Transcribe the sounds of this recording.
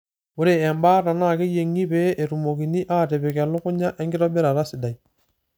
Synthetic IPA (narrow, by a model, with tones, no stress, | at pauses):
ʊ˦ɾe˨ɛ˨mbaː˦ɾa˨na˦˨ke˦je˨ŋi˦peː˦ʔe˨ɾu˨mo˨ki˨ni˦ʔa˦ɾɛ˨bɛ˨kɛ˨lʊ˦kʊ˦ɲa˦ʔɛ˦ŋɡɪ˦ɾɔ˦bɛ˦ɾa˨ɾa˦sɪ˨da˨i˨